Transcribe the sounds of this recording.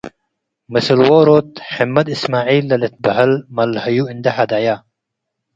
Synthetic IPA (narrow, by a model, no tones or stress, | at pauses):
mɪslwoɾoːt̪̚ħɪmːɐd̪ismaːʕiːlːɐlet̪̚bɐɦɐlmɐlhɐjuɪnd̪ɐħad̪ajaː